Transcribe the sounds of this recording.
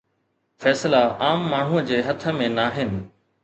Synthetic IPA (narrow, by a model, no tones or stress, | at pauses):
fɛːslaaːmːaːɳ̤uəd͡ʑeːɦɐt̪ʰə̆mẽnaːɦɪnɪ̆